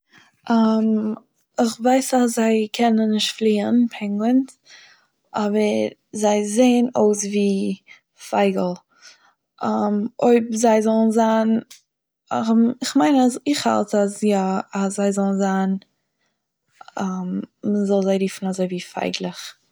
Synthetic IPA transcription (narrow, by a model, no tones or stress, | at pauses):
ʔam | ɪχvaɪsas̬zaɪkʰɛnənːɪʃtflˠiːənpʰɛŋɡlənt | ʔɔbəɾ | zaɪzeɪənoʊsviː | faɪɡl̩ˠ | ʔamoɪbzaɪzɔlˠnzaːn | ɪχmaɪnaɪχha̰lˠtasjaaszaɪzɔlˠn̩zan | amməzɔlˠzaɪɾiːfn̩azoɪviːfa̰ɪɡlˠɪχ